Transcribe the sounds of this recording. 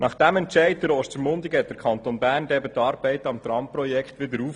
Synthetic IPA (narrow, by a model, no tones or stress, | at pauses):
nɑχd̥æmɛntt͡ʃɛɪtd̪əɾɔstəɾmʊnd̪ikɛt̚d̥əɾkʰχɑnt̪onbæːrndɛbət̪ɑːɾb̥ɛɪtɑmt̪ɾɑmpɾɔjɛkχt̪ʋɪd̪əɾuːf